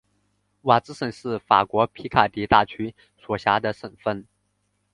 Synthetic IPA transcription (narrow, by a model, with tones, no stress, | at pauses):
wa˨˩t͡sɹ̩˥ʂə˨˩nʂɻ̩˥˩fa̰˨˩kwɔ˧˥pʰi˧˥kʰa˨˩t̪i˧˥t̪a˥˩t͡ɕʰy˥ | swɔ˨˩ɕja˧˥d̪ə˧ʂə˨˩nfə˥˩n